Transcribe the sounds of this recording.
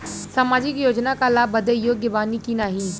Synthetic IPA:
saːmaːd͡ʒɪkjoːd͡ʒnakalaːbəd̪əjoːɡɪʋaːnikinaːɦiː

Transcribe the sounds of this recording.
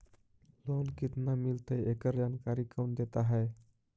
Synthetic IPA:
loːnkɪt̪namɪlt̪əeːkəɾd͡ʒaːnkaːɾikoːnd̪eːt̪aɦɛː

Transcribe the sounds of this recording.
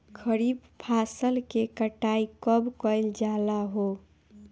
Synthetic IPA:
kʰəɾibpʰasəlkekəʈaikəbkəɪld͡ʒalaɦo

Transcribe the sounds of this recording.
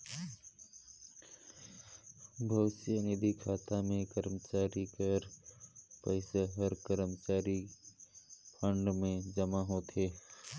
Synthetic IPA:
bʱɐʊsijənɪd̪ʱikʰaːt̪amẽkəɾmət͡ʃaːɾikəɾ | pəɪsaɦəɾkəɾəmt͡ʃaːɾi | pʰə̃ɳɖmẽd͡ʒɐmaɦoːt̪eː

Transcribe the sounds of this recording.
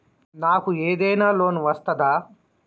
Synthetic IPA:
naːkueːd̪ɛjnaːloːnʋɐst̪ɐd̪aː

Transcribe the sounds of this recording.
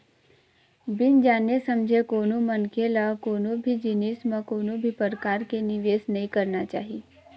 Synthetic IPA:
bɪnd͡ʒaːnjesəmd͡ʒʱekoːnũmənkelakoːnõbʱid͡ʒinismãkoːnũbʱipəɾkaːɾkenɪʋeːsnɐɦĩkəɾnat͡ʃa̰ːɦi

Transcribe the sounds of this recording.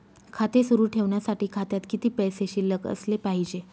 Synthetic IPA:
kʰat̪esuɾuːʈʰeʋɳjasaʈiːkʰat̪jat̪kit̪iːpɛjseɕiləkə̰slepaɦid͡ʑe

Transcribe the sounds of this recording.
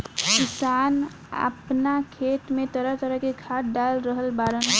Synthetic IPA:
kisan | a̰pnakʰet̪met̪əɾət̪əɾəɦkeɡʱaʈ̚ɖalɾəɦəlbaɾən

